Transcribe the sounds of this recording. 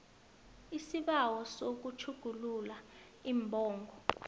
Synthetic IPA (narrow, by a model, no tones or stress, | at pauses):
isiɓawɔsok̬ut͡ʃʰuɡ̥ʱulula | imbʱɔːŋɡʱɔ